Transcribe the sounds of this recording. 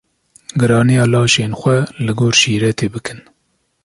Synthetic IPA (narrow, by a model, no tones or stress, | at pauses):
ɡɨɾɑːnijɑːlɑːʃeːnxʷɛlɨɡoːɾʃiːɾɛt̪ʰeːbɨkʰɨn